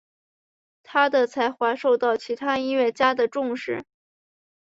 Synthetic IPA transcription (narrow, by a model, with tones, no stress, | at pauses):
t̪ʰa˥d̪ə˨t͡sʰa˧˥ɪxwa˧˥ʂo˥˧ʊt̪ɑ˥˩ʊt͡ɕʰi˧˥t̪ʰa˥i˥nɥɛ˥˩t͡ɕja˥d̪ə˨ʈ͡ʂʊ˥˧ŋʂɻ̩˥˩